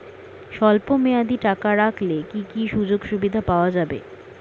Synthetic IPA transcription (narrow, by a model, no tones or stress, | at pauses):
ʃɔlpomead̪iʈakaɾakʰlekikiʃud͡ʑoɡʃubid̪ʱapaoad͡ʑabḛ